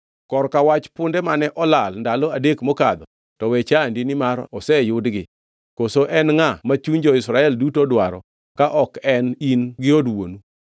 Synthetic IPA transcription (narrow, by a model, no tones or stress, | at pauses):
kɔrkawat͡ʃpʊndɛmanɛʔɔlalndalɔadekmɔkad̪ɔ | tɔwɛt͡ʃandinɪmaɾɔsɛjʊdɡɪ | kosoʔɛnŋamat͡ʃuɲd͡ʒɔɪsɾaɛldutodwaɾɔ̰ | kaʔɔkɛninɡɪodwo̰nu